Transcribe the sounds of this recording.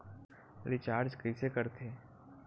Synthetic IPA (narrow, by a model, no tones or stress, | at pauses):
ɾɪt͡ʃaːɾd͡ʒkəɪsekəɾt̪ʰeː